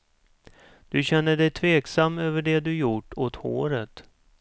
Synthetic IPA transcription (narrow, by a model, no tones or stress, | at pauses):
d̪̥ɵɕɛnːəɖɛjt̪ʰveːksamːøːvəɖɛd̪ɵjʊʈːoːt̪ho̰ːɾət̪